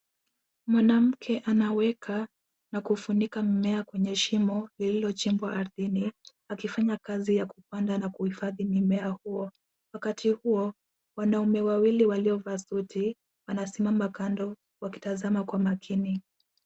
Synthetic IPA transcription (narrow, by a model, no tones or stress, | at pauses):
mwanam̩kʰɛʔanawɛkʰa | nakufunikamimɛakwɛɲɛʃimɔlililɔt͡ʃimbwaʔaɾðini | akifaɲakazijakupandanakuhifaðimimɛahuɔ | wakatʰihuɔ | wanaumɛwawiliwaliɔvasuti | wanasɛmamakandɔ | waki̥tazamakwamakʰini